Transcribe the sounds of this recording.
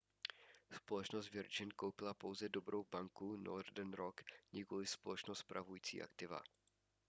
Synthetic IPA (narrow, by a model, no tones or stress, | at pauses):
spo̞lɛt͡ʃnos̬t̪vjɛɾt͡ʃɪnko̞wpɪlapo̞wzɛdo̞bɾowbaŋkuno̰rdɛnɾokɲɛkolɪspolɛt͡ʃnost̪spɾʔavujiːt͡sḭːʔa̰kt̪ɪva̰